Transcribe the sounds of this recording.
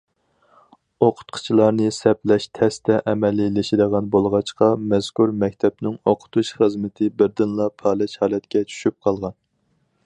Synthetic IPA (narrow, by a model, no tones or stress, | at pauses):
oqʰʊ̥t̪qʰʊ̥t͡ʃʰilˠɑɾnɨsɛplɛʃt̪ʰɛst̪ʰɛʔɛmɛlːɪlɪʃid̪əʁɑnbolˠʁɑt͡ʃqɑmɛz̥kuɾmɛkʲt̪ʰɛpnɪŋoqʰʊ̥t̪ʰuʃχəzmɪt̪ʰɪbɪɾd̪ɪnlˠɑpʰɑːlˠɛʃhɑːlˠɛt̪kʲɛt͡ʃʰy̥ʃyp̚qʰɑlˠʁɑn